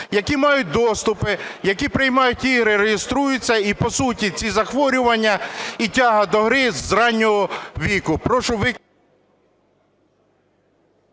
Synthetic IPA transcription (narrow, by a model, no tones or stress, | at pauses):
jɐkʲimɑjʊt̚ʲd̪ɔst̪ʊpɪjɐkʲipɾɪjmɑjʊtʲiɦɾɪɾeɦjest̪ɾujʊt͡sʲːɐipɔsutʲit͡sʲizɐxʋɔɾʲʊʋɐnʲːɐitʲaɦɐd̪ɔɦɾɪzɾɑnʲːɔɦɔʋʲikʊpɾɔʃʊʋɪ